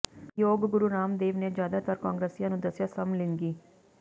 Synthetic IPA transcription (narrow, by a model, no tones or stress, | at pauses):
joːɡɡʊɾuɾaːmd̪eːʋneːzjaːd̪aːt̪əɾkaːŋɡɾeːsijãːnũːd̪əsjaːsəmlɪŋɡiː